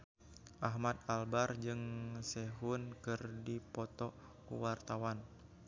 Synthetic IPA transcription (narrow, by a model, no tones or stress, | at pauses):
ʔaɦmat̪̚albard͡ʒɨŋsɛɦʊnkɨrdipɔt̪ɔ | kṵwart̪awan